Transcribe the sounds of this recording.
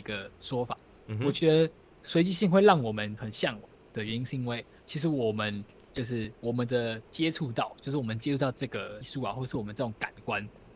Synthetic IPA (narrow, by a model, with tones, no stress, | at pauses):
i˧˥ɡə˧ʂwɔ˥fa̰˨˩˦ | wɔ˨˩t͡ɕɥɛ˧˥d̪ə˧˦ | swe˧˥ɪt͡ɕi˧˥ɕi˥˧ŋxwe˥˧ɪlɑ˥˩ŋwɔ˨˩mə˦nxə˨˩nɕjɑ˥˩ŋ˨˩d̪̥ə˨ɥɛ˧˦ni˥ŋɕi˥˧ŋwe˥˩ɪ | t͡ɕʰi˧˥ʂ̬ɻ̩˧˥wɔ˨˩mə˦n | t͡ɕjo˥˧ʊʂ̬ɻ̩˥˩wɔ˨˩mə˨˦nd̪ə˨t͡ɕjɛ˦ʈ͡ʂʰu˥˧t̪ɑ˥˨ʊt͡ɕjo˥˧ʊʂ̬ɻ̩˥˩wɔ˨˩mə˦nt͡ɕjɛ˥u˥˩t̪ɑ˥˧ʊʈ͡ʂɤ˥˩ɡə˩i˥˧su˥˩a˨˦wɔ˥˩ə˨ʂɻ̩˥˩ɔ˨mə˦nʈ͡ʂɤ˥˩ʈ͡ʂʊ˨˧˦ŋka˨˩nkwa˦n